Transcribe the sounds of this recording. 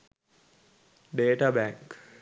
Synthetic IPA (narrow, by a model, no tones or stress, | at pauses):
ɖeːʈabæŋk